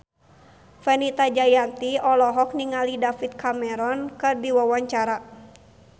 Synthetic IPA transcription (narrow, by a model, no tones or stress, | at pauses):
fɛnit̪ad͡ʒajant̪iɔlɔɦɔk̚niŋalidafit̪̚kamɛɾɔnkɨrdiwawaɲt͡ʃaɾa